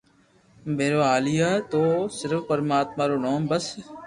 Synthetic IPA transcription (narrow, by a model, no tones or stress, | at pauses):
bʱeːɾoːaːlijaːt̪oːsɪɾfpəɾmaːt̪maːɾoːnoːmbəs